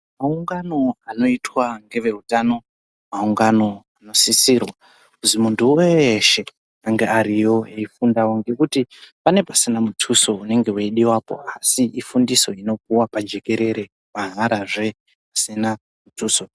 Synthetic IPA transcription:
mauŋɡano̞ano̞itwaŋɡe̞ʋe̞utano̞ | mauŋɡano̞ano̞sisirwa | kuzimuntuweʃe̞ | aŋɡeaɾijo̞eifundawoŋɡe̞kutipane̞pasinamutʰuso̞une̞ŋɡe̞weiɗiwapo̞̰asiifundiso̞ino̞p̚uwapad͡ʒe̞ke̞ɾe̞ɾe̞ | maɦaɾaʐe̞ | asina | mutʰuːso̞

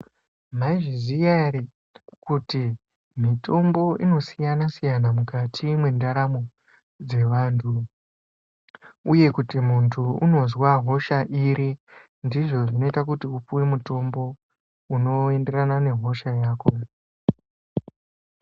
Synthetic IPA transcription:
maiʐizijari | kuti | mito̞mbo̞ʔino̞sijanasijanamukatʰimwe̞ndaɾamo | d͡ze̞ʋaːntʰu | uje̞kutimuntʰuuno̞zwaɦo̞ʃaʔiɾi | ndiʐo̞ʐino̞itak̬utiupuwemuto̞mbo̞ | uno̞e̞nde̞ranane̞ɦo̞ʃajaːko̞

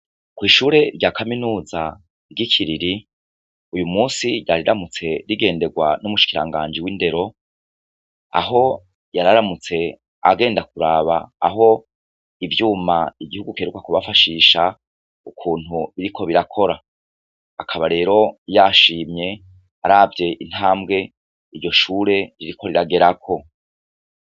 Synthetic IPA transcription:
kwiːʃuːɾe̞ɾɟaːkʰaminuːza | ɡikʰiɾiɾi | ujumuːsiɟaɾiɾamut͡se̞ɾiɡe̞ːnde̞ɡwanumuʃi̥kiɾa̰ŋɡaːnd͡ʒiwinde̞ɾo̞ | a̰ɦo̞ | jaɾaɾamut͡se̞ | a̰ɡe̞ːndakuɾaːβa̰ːɦo̞ | ivjuːmaiɡihuɡukeɾukwakuβafaʃiːʃa | ukʰuːn̥huβiɾikʰo̞βiɾakʰo̞ɾa | akʰaβaɾe̞ːɾo̞jaːʃiːmɲe̞ | aɾaːvje̞ʔin̥haːmɡe̞ | iɾɟo̞ʃuːɾe̞ɾiɾiko̞ɾiɾaɡe̞ɾakʰo̞

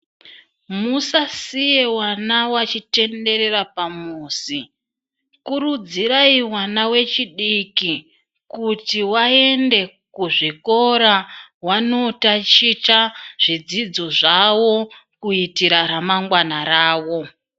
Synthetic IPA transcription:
musasijewanawat͡ʃite̞nde̞ɾe̞ɾapamuːsi | kuɾud͡ziɾaiwanawe̞t͡ʃiɗiki | kutiwae̞nde̞ | kuʐiko̞ɾawano̞tat͡ʃit͡ʃaʐ̥id͡zid͡zo̞ʐawo̞kuitiɾaɾamaŋɡwanaɾaːwo̞

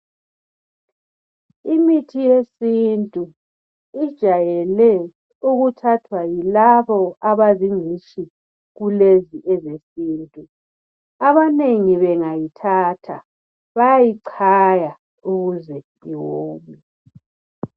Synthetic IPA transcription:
imitʰijesintʼu | id̥ʒ̥ʱajɛlɛ | uɣutʰatʰwajilaβɔaβaziŋiʃi | ɣuleziʔɛzesiːntʼu | aβaneŋiβɛŋajitʰaːtʰa̰ | βajajiǀʰaja | uɣuzɛ | iwoːmi

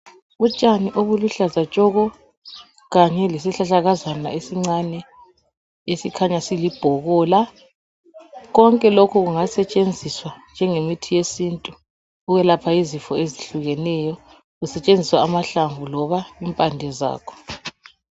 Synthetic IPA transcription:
ut͡ʃʼaniʔoβuluɬazat͡ʃʼɔɣɔ | ɣaɲɛlesiɬaɬaɣazana̰esiŋ͡ǀanɛ | esikʰaɲasilib̥ʱɔɣɔːla | ɣɔŋkʼɛlokʰuɣuŋasɛt͡ʃʼend͡zʱiswand͡ʒʱɛŋemitʰijesintʼu | uɣɛlapʰaizifɔeziɬuɣɛnɛjɔ | ɣusɛt͡ʃʼend͡zʱiswaːmaɬaɱvʱulɔβaimpʼandʱɛza̰ːkʰɔ̥

